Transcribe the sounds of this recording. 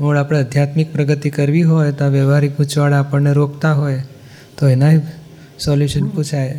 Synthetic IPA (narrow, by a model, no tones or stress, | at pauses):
ɦoɭapɽ̃eəd̪ʱjat̪mik̚pɾəɡət̪ikəɾʋiɦojt̪aʋjeʋaɾikut͡ʃʋaɭaːpəɳneɾokt̪aɦoj | t̪oenaɦi | sɔljuʃənpũt͡ʃʰaj